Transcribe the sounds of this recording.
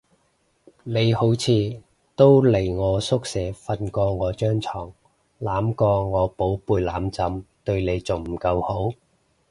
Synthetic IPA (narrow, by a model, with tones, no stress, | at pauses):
ne˨˧jho˨˥wt͡sʰiː˨˧ | t̪o˥wle˨˩jŋɔː˨˧sʊ˥k̚sɛː˨˥fɐ˧nkɔː˧ŋɔː˨˧t͡ʃœː˥ŋt͡sʰɔː˨˩ŋ | laː˨˥mkɔː˧ŋɔː˨˧po˨˥wpuː˧jlaː˨˥mt͡sɐ˨˥mt̪ɵ˧ɥne˨˧jt͡so˨wm̩˨˩kɐ˧who˨˥w